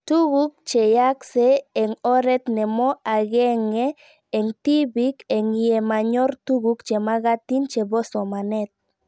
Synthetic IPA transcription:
t̪uɣuk̚t͡ʃɛjaksɛːŋɔɾɛt̪nɛmɔaɣɛŋɛː | ŋtibikɛŋiɛmaɲɔrtuɣukt͡ʃɛmaɣat̪int͡ʃɛbɔsɔmanɛt̪̚

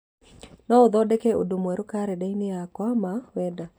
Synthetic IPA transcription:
nɔoðɔːdɛkɛo̰domwɛɾokaɾɛdainejakwamawɛːda

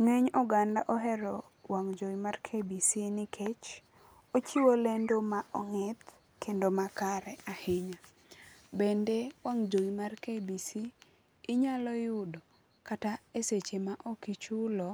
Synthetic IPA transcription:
ŋeɲɔɡandaʔɔɦɛɾɔ | waŋd͡ʒoimarkʰebisinɪkʰet͡ʃ | ot͡ʃiwolendomaʔɔŋɛt̪ | kʰendomakaɾɛahɪɲa | bendewaŋd͡ʒoimarkebisiː | ɲalɔjʊdo | kataeset͡ʃemaʔɔkit͡ʃulɔ

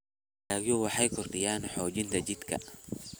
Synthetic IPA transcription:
aːɣjɔwɑħɑjkʰɔrd̪ɪjaːnħɔːt͡ʃɪnt̪ʰɐt͡ʃɪd̪kʰɐ̰

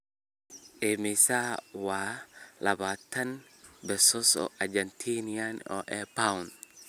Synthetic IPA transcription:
ʔemisawalabat̪an | bɛsɔsɔ̰ʔad͡ʒant̪ʰinianɔ̰ʔɛpaun

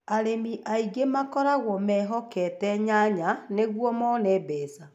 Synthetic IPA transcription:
aɾemiʔaiɡemakɔɾaɣɔmɛɦɔkɛtɛɲaɲaneɣwɔmɔnɛbɛːsa

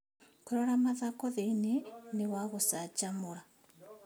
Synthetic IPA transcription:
koɾɔɾamaðakɔðeinenewaɣosat͡ʃamoɾa

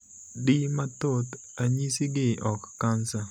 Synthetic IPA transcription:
dimat̪ot̪ | aɲisiɡɪʔɔkːansa

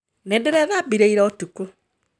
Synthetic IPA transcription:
nedeɾɛðabiɾeiɾɛɔtuku

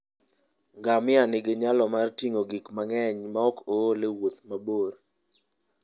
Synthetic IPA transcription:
ɡamɪanɪɡɪɲalɔmartiŋoɡikmaŋɛɲmaɔkolewot̪maboɾ

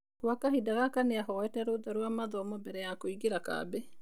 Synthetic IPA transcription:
kwakahidaɣakaneaɦɔɛtɛɾodaɾwamaðɔmɔbɛɾɛjakoiɣeɾaka̰ːbe

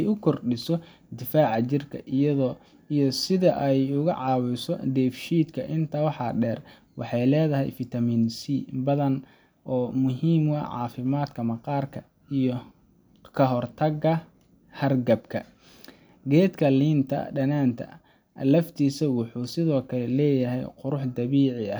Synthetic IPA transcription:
ɛjʊkʰɔrɖɪsɔ | d̪ɪfaːʕɑt͡ʃɪrkʰɐ̰ʔijɐðɔ | ijɔsɪðɐʔɛjʊɣɐ̰ʕɑːwʊsɔd̪ɛːfʃiːd̪kʰɐʔɪnt̪ʰɐwɑħɑɖɛːr | wʔɑħɑjlɛːðɐɦɛ̰jfɪt̪ʰɐmiːnsiːbɐðɐn | ʔɔːmʊɦiːmwɐ̰ʕɑ̰ːfɪmaːd̪kʰɐmɐqɑːrkʰɐ | ijɔ | kʰɐɦɔrt̪ʰɐɡɐ | hɐrɡɐbkʰɐ | ɡɛːd̪kʰɐliːnt̪ʰɐ̰ɖɐnaːnt̪ʰɐ̰ | ʔɐ̰lɐft̪ʰiːsɐwʊħuːsɪðɔːkʰɐlɛlɛːjɐɦɛjqʊɾʊħd̪ɐβiːʕɪɐ

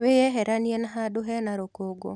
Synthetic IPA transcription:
wejɛɦɛɾanjenaɦadoɦɛnaɾokoɡo̰

